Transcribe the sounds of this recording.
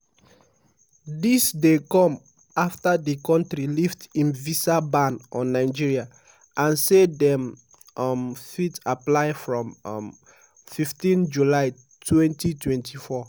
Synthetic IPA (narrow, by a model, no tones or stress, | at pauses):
disdekɔ̃m | aftadikɔ̃ntɾiliftĩnvisabãnɔ̃nːaɪd͡ʒiɹia | ʔãnsedɛ̃m | ɔmfitaplaɪfɹɔ̃mm | fiftĩnd͡ʒulaɪ | tʰwɛ̃ntitwɛ̃ntʰifɔ